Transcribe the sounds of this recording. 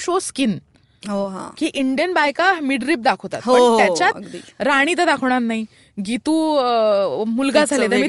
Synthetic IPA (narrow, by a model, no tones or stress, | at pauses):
ɕoskin | ɦoɦã̰kiːʔiɳɖijənbajkamiɖɾiːp̚d̪akʰot̪at̪ɦpoəɳt̪jat͡ɕjatɡd̪iɾaɽ̃it̪əd̪akʰəʋɳ̃at̪nai | ɡit̪uː | mulɡad͡zʱallet̪əmi